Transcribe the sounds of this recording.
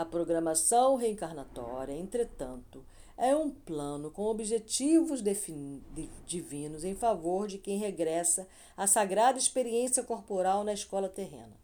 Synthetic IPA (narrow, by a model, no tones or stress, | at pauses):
ɐpɾoɡɾɐmasɐ̃w̃ɦeĩŋkaɾnat̪ɔ̰ɾiɐẽnt̪ɾet̪ɐ̰̃nt̪ʊ | ɛũplɐ̃nʊkõw̃obiʒet͡ʃivʊzd̪efi | d͡ʒivĩnʊzẽj̃favoɾd͡ʒɪkẽj̃ɦeɡɾɛsɐː | saɡɾad̪ɐispeɾiẽsijɐkoɾpoɾawnɐɪskɔlɐt̪eɦḛ̃nɐ